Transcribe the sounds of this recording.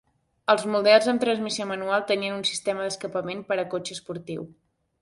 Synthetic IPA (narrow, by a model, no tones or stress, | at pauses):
əlˠzmuðɛlˠzənt̪ɾənzmisiomənualˠt̪əniənunsi̥st̪eməðəskəpəmempəɾəkot͡ʃəspuɾt̪iw